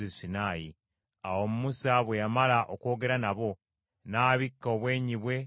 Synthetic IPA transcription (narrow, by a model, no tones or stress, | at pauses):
isinaːji | a̰wo̞mumusaβwe̞jamalaʔoko̞ːɡe̞ɾanaβo̞ | naːβikːoːβwe̞ːɲiβwe̞